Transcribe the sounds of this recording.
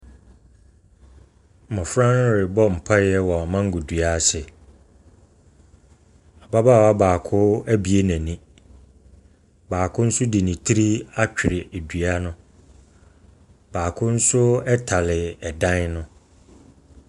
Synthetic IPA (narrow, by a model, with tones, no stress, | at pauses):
mɔ̃˨fɾã˦n˦ɾɪ˨bɔ˦m̩˨pʰa˦jɛ˦wɔ˨a˨mã˦ŋ̩˦ɡʊ˨dɥa˦sɪ˨ | a˨ba˦baː˦˨wa˦baː˨kʰʊ˦æ˦bi˨e˦næ̃˨nĩ˦ | baː˨kʰʊ˦n̩˦sʊ˦di˨nĩ˨tʰi˦ɾi˦a˦t͡ɕᶣɪ˨ɾɪ˨e˨du˨a˦nʊ̃˦ | baː˨kʰʊ˦n̩˦sʊ˦ɛ˦tʰa˨lɪ˨ɛ˨dã˦nnʊ̃˦